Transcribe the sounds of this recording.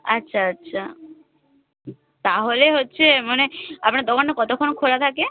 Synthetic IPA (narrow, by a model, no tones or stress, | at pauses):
atːɕʰaatːɕʰa | t̪aɦoleɦotːɕʰemaneapnaɾd̪ɔkanːekɔt̪okʰːonokʰolat̪ʰake